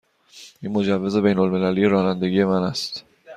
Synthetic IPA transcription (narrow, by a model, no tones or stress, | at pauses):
ʔiːnmo̞d͡ʒævːe̞ze̞be̞jnolme̞læliːje̞ɾɒːnænd̪e̞ɡije̞mænæst̪